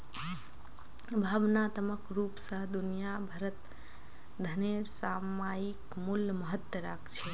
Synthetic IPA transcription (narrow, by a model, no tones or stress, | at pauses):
bʱaːʋnaːt̪əməkɾuːpsãd̪ʊnijabʱɐɾət̪̚ | d̪ʱɐnesaːmaːjɪkmulːməɦət̪wəɾaːkt͡ʃʰe